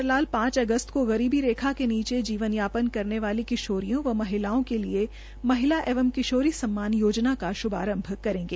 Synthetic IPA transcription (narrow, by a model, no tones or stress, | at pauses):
ɾlaːlpãːt͡ʃɐɡəst̪koɣɐɾiːbiɾeːkʰakeniːt͡ʃed͡ʒiːʋənjaːpənkɐɾneʋaːlikɪʃoːɾijõʋɐmɐɦɪlaːõkelie | mɐɦɪlaʔeːʋəmkɪʃoːɾisɐmːaːnjoːd͡ʒnakaʃʊba̰ːɾə̃mbʱkɐɾẽːŋɡeː